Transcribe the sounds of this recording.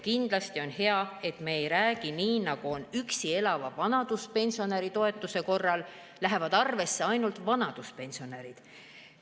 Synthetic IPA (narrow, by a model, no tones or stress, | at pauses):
kind̪lɑst̪io̞nhe̞ɑe̞t̪me̞ːjɾæːɡ̥iniːnɑɡ̥uo̞nyksie̞lɑvɑvɑnɑd̪̥uspe̞nʲsio̞neɾit̪o̞e̞t̪ːˑuse̞ko̞rːɑl | læɦe̞vɑd̪̥ɑrve̞sːe̞ɑjnult̪vɑnɑd̪̥uspe̞nʲsio̞neɾid̪̥